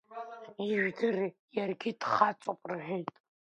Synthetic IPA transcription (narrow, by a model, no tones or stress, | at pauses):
iʒdɨrjarɡʲid̥χat͡ʃʷʼapʼrħʷᶣejtʼ